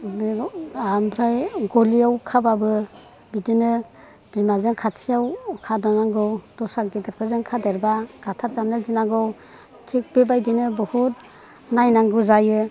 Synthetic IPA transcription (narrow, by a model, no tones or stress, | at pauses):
bampʰɾajɡoliawkʰababɯ | bidinɯ | b̥imazeŋkʰatʰijawkʰadɔnaŋɡɯwdɔsak̚ɡidɯɾpʰɯzeŋkʰadeɾbaɡ̥atʰaɾzamnɯzinaɡɯw | tʰik̚bebajdinɯbɯhut̚ | najnaŋɡɯzajɯ